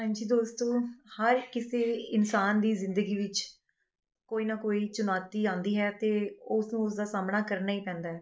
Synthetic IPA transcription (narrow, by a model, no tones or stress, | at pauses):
ɦãːɲd͡ʒiːd̪oːst̪õːhəɾkɪseːɪnsaːnd̪iːzɪ̃nd̪əɡiːʋɪt͡ʃ | koːiːnaːkoːiːt͡ʃʊnaːt̪iːãːnd̪iːɦɛːt̪eːʊsnũːʊsd̪aːsaːmnaːkəɾnaːiːpɛ̃ːnd̪aːɦɛː